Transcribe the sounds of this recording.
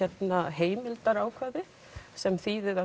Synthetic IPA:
ɛt̪naɦeːjmɪlt̪aɾaːwkʰvaːðɪ | sɛmθiːðɪða

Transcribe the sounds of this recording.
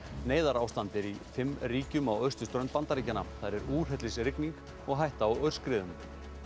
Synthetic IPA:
neːjðaɾaːwst̪ant̪ɪɾifɪmːriːcʏmawœɥ̥st̪ʏst̪ɾœn̚pant̪aɾiːcanaθaðɾɛɾuːr̥ɦɛt̪lɪsɾɪkniŋk | ɔɣɦajht̪aːwœɥɾ̥skɾɪːðʏm

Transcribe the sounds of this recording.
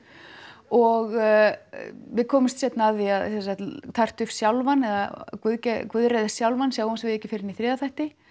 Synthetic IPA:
ɔɣ | vɪðkʰɔːmɪmst̪sjɛt̪naːðiaðsɛs̬ḁt̪t̪ʰar̥t̪ʏfsjawlvanɛða̰kvʏðcɛkvʏðɾɛːjðassjawlvansjaːwʏmsvɪðɛhcɪfɪɾɪniθɾɛːðaθajht̪ɪ

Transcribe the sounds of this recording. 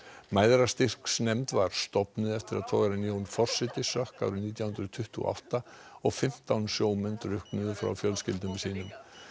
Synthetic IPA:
maːjðɾast̪ɪr̥ksnɛmt̪vaɾ̥st̪ɔpnɪðɛft̪ɪɾaðt̪ʰɔːɣaɾɪnjoːwnfɔr̥sɪt̪ɪsœhka̰wɾʏniːt̪jawhʏnɾʏðt̪ʰʏht̪ʏɔ̰ʔa̰wht̪aɔɣfɪm̥t̪awnsjoːwmɛnt̪ɾʏhknʏðʏfɾa̰wfjœlscɪlt̪̬ʏmsiːnʏm

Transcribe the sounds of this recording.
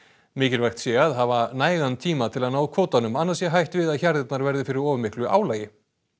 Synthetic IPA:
mɪːcɪɾvajxt̪sjɛaðɦavanaːjɣant̪ʰiːmat̪ʰɪlaðnaːwðakʰvoːwt̪anʏmanːasjɛɦajht̪vɪðaðçaɾðɪt̪naɾvɛɾðɪfɪɾɪɾɔːvʏmɪhklʏʔa̰ːwlajɪ

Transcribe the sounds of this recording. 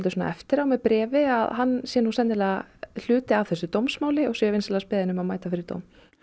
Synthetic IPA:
lt̪ʏsoːna̰ɛft̪ɪɾawmɛpɾɛːvɪaðɦanːsjɛnusɛnɪlɛl̥ʏːt̪ɪavθɛsːʏt̪owmsmaːwlɪɔɣsɛvejnslːspɪːðɪnʏmaðmaːjt̪afɪɾɪɾt̪o̰wm

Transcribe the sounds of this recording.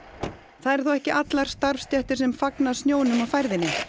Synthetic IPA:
θaðɛɾ̥θowɛhcɪʔat̪laɾ̥st̪aɾfst̪jɛht̪ɪɾ̥sɛmfaknasnjoːwnʏmawfajɾðɪnːɪ

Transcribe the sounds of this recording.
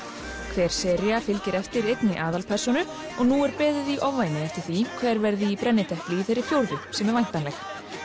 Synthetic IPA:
kʰvɛːɾ̥sɛɾjafɪlcɪɾɛft̪ɪɾejt̪nɪʔaːðalpʰɛr̥sɔnʏ | ɔɣnuːɛɾpɛːðɪðiʔɔvvajnɪðɛft̪ɪ̥ɾ̥θikʰvɛːɾvɛɾðɪːpɾɛnːɪt̪ʰɛhplɪiθejɾːɪfjowɾðʏsɛmɛɾvajn̥t̪anlɛx

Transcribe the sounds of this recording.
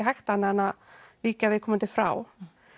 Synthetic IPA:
ɦajxt̪aanɪanːaviːcavɪðkʰɔːmant̪ɪfɾa̰ːw

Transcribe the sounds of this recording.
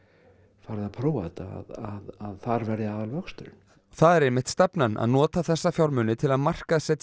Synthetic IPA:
faːɾɪðaðpʰɾoːwa̰t̪a̰a̰ðaðaðθaɾvɛɾðɪaːðalvœkst̪ʏɾn | θaðɛɾejmɪht̪st̪ɛpnanʔa̰ðnɔːt̪aθɛsːafjawɾmʏnɪt̪ʰɪlaðmar̥kaðsɛt̪

